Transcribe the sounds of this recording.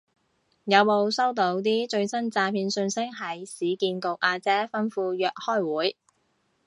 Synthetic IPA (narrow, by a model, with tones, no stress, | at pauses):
jɐ˨˧wmo˨˧wsɐ˥wt̪o˨˥wt̪iː˥t͡ʃɵ˧ɥsɐ˥nt͡saː˧pʰiː˧nsɵ˧nsɪ˥k̚hɐ˨˩jsiː˨˥kiː˧nko˨w̚ʔaː˧t͡sɛː˥fɐ˥nfuː˧jœː˨k̚hɔː˥jwuː˨˥j